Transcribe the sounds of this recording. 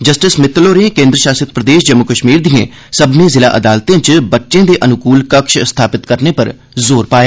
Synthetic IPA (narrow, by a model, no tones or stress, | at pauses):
d͡ʒəsʈɪsmɪt̪loːnekẽːnd̪ɾəʃaːsət̪̚pɾəd̪eːʃd͡ʒəmːʊkəʃmiːɾd̪ɪjḛ̃ː | səbnẽːzɪla̰ːʔəd̪aːlt̪ẽːt͡ʃbətːʃẽːd̪eːʔənʊkuːlkəkʃst̪ʰaːpɪt̪kəɾneːpəɾ | zoːɾpaːjeː